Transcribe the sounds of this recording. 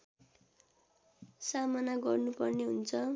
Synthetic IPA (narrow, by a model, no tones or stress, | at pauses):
samʌnaɡʌrnupʌrneɦṵnt͡sʰʌ